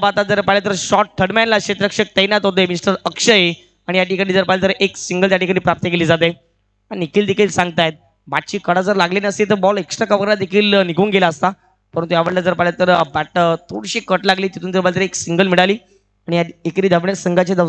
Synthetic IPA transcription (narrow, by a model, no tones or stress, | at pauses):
bat̪ad͡zəɾpaɦljat̪̬əɾɕɔʈ̚ʈʰːəɽmɛnlaɕet̪ɾəkʂək̚t̪əjnat̪ɦot̪̬emisʈəɾəkʂəje | aɽ̃ijaʈikanid͡zəɾpaɦlat̪əɾʔeksiŋɡəlt̪jaʈikañiːpɾap̚t̪əkeliːd͡zat̪ej | aɽinikʰiːld̪ekʰiːlsãŋɡt̪ajet̪̚ | baʈ̚t͡ɕiːkəɽad͡zəɾlaɡleniəset̪̬əɾbɔleksʈɾakəʋəɾɾad̪ekʰiːlnikuːnɡelaəst̪a | pəɾənt̪ujaʋəɽlad͡zəɾpaɦilat̪əɾbæʈət̪ʰoɽɕiːkəʈlaɡliːt̪it̪ʰuːnd͡zəɾpaɦlat̪ɾeksiŋɡəlmiɭaliː | aɽijaiekɾiːd̪ʱəʋɳsəŋɡat͡ɕad̪ə